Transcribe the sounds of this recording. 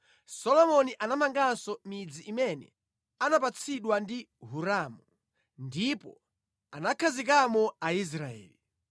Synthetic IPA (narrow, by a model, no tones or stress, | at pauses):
sɔlɔmɔniʔanamaŋɡasɔmid͡ziʔimɛnɛ̰ | anap̬at͡sʰiɗwandi | ɦuɾaːmu | ndipɔ | anakʰazik̬amɔais̬ɾaɛ̰ːli